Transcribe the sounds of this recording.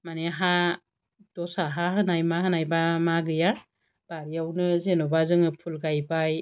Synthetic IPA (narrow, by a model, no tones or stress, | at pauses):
maneɦa | d̥ɔsaɦaɦɯnajmahɯnajbamaɡɯja | b̥aɾiawnɯzenɔbazɯŋɯpʰulɡajbaj